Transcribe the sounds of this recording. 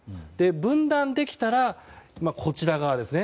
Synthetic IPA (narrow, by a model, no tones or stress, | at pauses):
d̪̥e̞bɯ̟̃nd̪ãnd̪e̞kʲi̥t̪aɾamakʰo̞t͡ɕiɾaɡaad̪e̞sɨne